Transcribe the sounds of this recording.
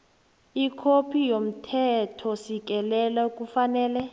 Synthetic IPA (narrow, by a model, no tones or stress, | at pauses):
ikʰopʰijom̩tʰɛtʰɔsik̬ʼɛlɛlaukʼufanɛːlɛ